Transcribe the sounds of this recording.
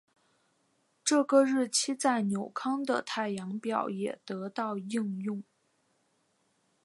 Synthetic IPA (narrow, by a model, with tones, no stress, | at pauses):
ʈ͡ʂɤ˥˩ɡə˥˧ɻɻ̩˥˩t͡ɕʰi˥t͡sa˥˩ɪnjo˨˩ʊkʰɑ˥ŋd̪ə̰˨t̪ʰa˥˩ɪjɑ˧˥ŋpjɑ˥˩ʊjɛ̰˨˩t̪ɤ˧˥t̪ɑ˥˧ʊi˥˧ŋjʊ˥˩ŋ